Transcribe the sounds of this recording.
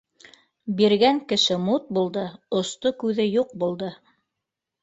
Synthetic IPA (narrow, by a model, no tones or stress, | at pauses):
biɾɡæŋkɘ̆ʃɘmut̪̚bulˠd̪ɤŏst̪okʉðɘjuq̚bulˠd̪ɤ